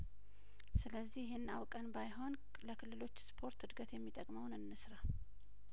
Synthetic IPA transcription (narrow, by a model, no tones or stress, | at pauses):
sɨləzːihjɪhenːawkʼənbajɦo̞n | ləkʰɨlːɨlo̞t͡ʃːspʰo̞ɾt̪hɨd̪ɡət̪jɛmːit̪ʼəkʼməwnɨnːɨsɾa